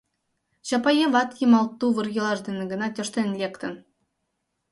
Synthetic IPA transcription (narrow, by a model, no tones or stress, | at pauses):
ɕɑpɑjevɑt̪jimɑlˠt̪ːuʋɯrjɤ̆lˠɑʐd̪ɘ̆nɘɡɤ̆nɑt̪ʲø̆ʃt̪ʲenʲlʲekt̪ɘ̆n